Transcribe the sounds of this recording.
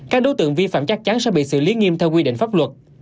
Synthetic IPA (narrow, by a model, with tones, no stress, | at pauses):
kaː˦˥k̚ɗo˨˦t̪ɨ̰˧˨əŋvi˧fa̰ː˧˨mt͡ɕa˦˥k̚t͡ɕa˨˦nsɛ̰˧˥ɓḭ˧˨sɨ̰˧˨li˨˦ŋi˧əmt̪ʰɛ˧wk̬wi˧ɗḭ˧˨ŋ̟faː˦˥p̚lwə˨˩t̚